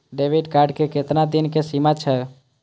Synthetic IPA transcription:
ɖeːʋiɖkaːɾɖkekɪt̪nad̪ɪnkesimat͡ʃʰɛ

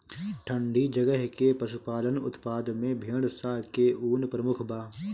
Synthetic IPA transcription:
ʈʰə̃ɳɖʱid͡ʒəɡəɦkepɐsʊpaːd̪ənʊ̰t̪paːd̪mẽbʱeːɽsakeuːnpɾəmʊkʰbaː

